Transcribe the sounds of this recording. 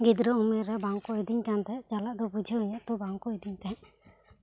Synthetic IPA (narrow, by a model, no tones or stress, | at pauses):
ɡid̪ɾɔumɛɾɛbaŋkɔjd̪iɲkant̪ɛt͡ʃalaʔd̪ɔbud͡ʒʱəɦɔjat̪ɔbaŋkɔjd̪iɲt̪ɛ̃